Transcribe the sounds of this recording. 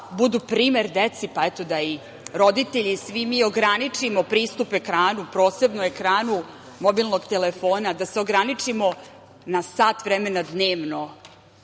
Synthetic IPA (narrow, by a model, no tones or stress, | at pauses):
bud̪upɾiːme̞ɾd̪et̪sipaɛt̪o̞d̪ai | ɾo̞d̪it̪e̞ʎisʋimio̞ɡɾanit͡ʂimo̞pɾiːst̪upekɾaːnupɾo̞ːse̞bnoe̞kɾaːnu | mobilˠnoɡt̪elefo̞ːnad̪aseo̞ɡɾanit͡ʂimo̞ | nasaːt̪ʋɾeme̞nad̪neːʋno̞